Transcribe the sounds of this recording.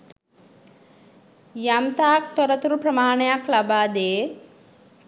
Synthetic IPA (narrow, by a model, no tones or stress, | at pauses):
jɐmt̪aːk̚t̪ɔɾɐt̪uɾupɾɐmaːɳjaklɐbaːd̪eː